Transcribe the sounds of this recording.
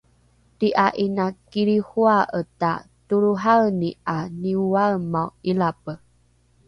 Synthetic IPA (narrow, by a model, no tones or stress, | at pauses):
tiʔaʔinakiɾihuaʔəta̰ | tuɾuɦalnianiwaɭmawilapə